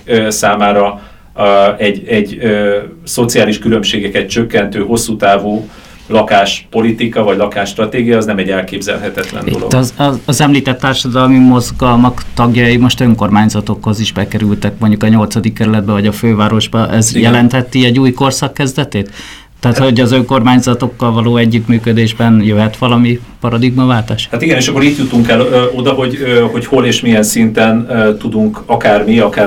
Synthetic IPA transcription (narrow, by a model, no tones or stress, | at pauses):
saːmaːɾɒ | ɛɟɛɟː | so̞t̪sijaːliʃkylø̞mʃeːɡɛkɛt̪t͡ʃø̞kːɛnt̪øːho̞sːut̪aːvoː | lɒkaːʃpo̞lit̪ikɒvɒɟlɒkaːʃt̪rɒt̪eːɡijɒːznɛmɛɟːɛlkeːbzɛ̰lɦɛt̪ɛt̪lɛ̰noloɡd̪ɛɒzɛmliːt̪ɛt̪ːaːrʃɒd̪ɒlmimo̞zɡɒlmɒkt̪ɒɡjɒimo̞ʃt̪øŋko̞rmaːɲzɒt̪o̞kho̞ziʒbɛkɛɾylt̪ɛkmo̞ɲɟukɒɲo̞lt̪sɒd̪ikːɛɾylɛd̪̚bɛvɒɟɒføːvaːɾo̞ʒbɒʔɛzjɛlɛnt̪hɛt̪iɛɟuːjko̞rsɒkːɛzd̪ɛt̪eːt̪ː | ɛɦːt̪ho̞ɟɒzø̞ŋko̞rmaːɲzɒt̪o̞kːɒlvɒloːɛɟːyt̪myːkød̪eːʒbɛnjøɦɛt̪ʋɒlɒmi | pɒɾɒd̪iɡmɒvaːlt̪aːʃhat̪iɡɛneːʃɒkːoɾit̪jut̪uŋkɛløo̞d̪ɒɦo̞ɟøho̞cho̞leːʃmiɛnsint̪ɛnt̪ud̪uŋkɒkaːrmiɒkaː